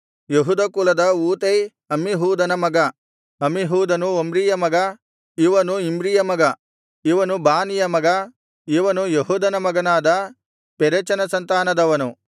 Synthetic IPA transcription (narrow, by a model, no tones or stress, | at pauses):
jeɦud̪ɐkulɐd̪ɐuːt̪ej | ɐmiɦuːd̪ɐnɐmɐɡɐ | ɐmiɦuːd̪ɐnuombɾijɐmɐɡɐ | iʋɐnuimbɾijɐmɐɡɐ | iʋɐnubaːnijɐmɐɡɐ | iʋɐnujeɦuːd̪ɐnɐmɐɡɐnaːd̪ɐ | peɾet͡ʃɐnɐsɐnt̪aːnɐd̪ɐʋɐnu